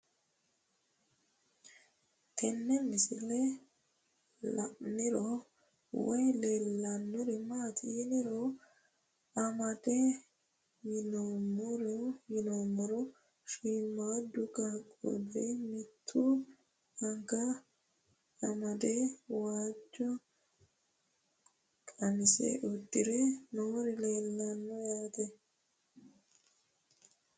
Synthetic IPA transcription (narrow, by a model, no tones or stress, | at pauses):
t̪ʰɛnːɛmɪsɪlɛ | lɐ̰ʔnɪɾɔ | wɔjlelɐnːʊɾɛmaːt̪ʰɪjɪnɪɾɔ | ɐmɐd̪ɛ | jɪnomʊɾɔjɪnomɔɾɔ | ʃiːmːaːd̪ʊkakʼːɔ̰demɪt̪ʰːu | ɐŋkɐ | ɐmɐd̪ewaːd͡ʒɔ | kʼɐnɪsḛʔʊd̪ːɪɾɛnoːɾɪleːlːɐnːɔjaːt̪ɛ